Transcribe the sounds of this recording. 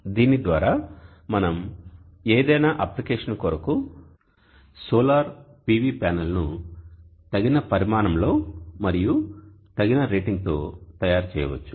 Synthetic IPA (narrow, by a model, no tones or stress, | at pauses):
d̪iːnid̪ʋaːɾaː | mɐnɐm | eːd̪ɐjnaːʔɐplikeːʂɐnkoɾɐku | soːlaːɾpiːʋiːpaːnɐlnu | t̪ɐɡinɐpɐɾimaːnɐmlo̞ːmɐɾiju | t̪ɐɡinɐɾeːʈiŋɡ̚t̪o̞ːt̪ɐjaːɾut͡ʃɛːjɐ̰ʋɐ̰t͡ʃːu̥